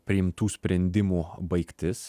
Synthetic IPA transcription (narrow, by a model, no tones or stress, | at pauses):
pʲɾʲɪɪmt̪uːsʲpʲɾʲɛnʲd̪ʲɪmuːbɐɪkt̪ʲɪs